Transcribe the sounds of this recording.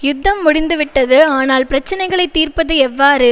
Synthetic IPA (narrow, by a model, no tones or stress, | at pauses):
jʊd̪ʱːɐmːʊɽɪnd̪ɯʋɪʈːɐðɯaːnaːlpɪɾɐt͡ʃːɐnɐɪɣɐɭɐɪt̪ːiːɾpɐðɯɛʋːaːɾɯ